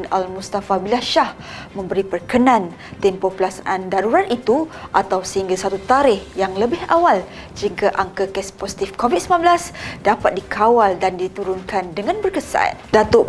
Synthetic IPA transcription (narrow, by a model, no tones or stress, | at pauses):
nalmust̪afabilaʃahmə̃mbəɾipərkənãn | t̪ɛmpopəlasanʔandaɾuɾat̪it̪uʔat̪awsəhiŋɡasat̪ut̪aɾɪhjaŋləbɪɦawal | d͡ʒiŋɡaʔaŋkakɛsposi̥t̪ifkovid̚səmlanbəlasdapat̪̚dikʰawaldandit̪uɾʊnkandəŋãnbərkəsa̰t̪̚dat̪oʔ